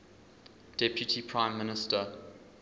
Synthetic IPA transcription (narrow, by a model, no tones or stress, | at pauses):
d̥ɛpjutʰipʰɹãɪ̃mːɪnɪstə